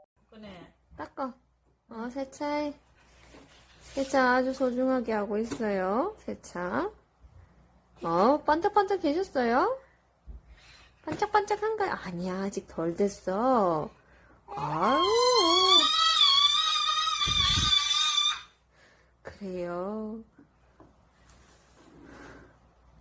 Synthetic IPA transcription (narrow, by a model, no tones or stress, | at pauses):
ne | t͈ak͈ʌ | ʌsʰet͡ɕʰae | sʰet͡ɕʰaːd͡ʑusʰod͡ʑuŋɦaɡeɦaɡois͈ʌjosʰet͡ɕʰa | ʌp͈ant͡ɕ͈ʰak̚p͈ant͡ɕ͈ʰakkeɕʰʌs͈ʌjo | p͈ant͡ɕ͈ak̚p͈ant͡ɕ͈akʰanɡaaɲiaːd͡ʑik̚tʌɭdwe̞s͈ʌ | a | kɯɾe̞jo